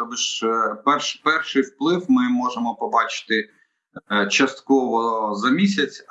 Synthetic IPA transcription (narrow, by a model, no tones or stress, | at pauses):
ɔbɪʃpɛrʃpɛrʃɪjwplˠɪwmɪmɔʒemɔpɔbɑt͡ʃɪ̥t̪ɪ | t͡ʃɐst̪kɔʋɔzɐmʲisʲɐt͡sʲ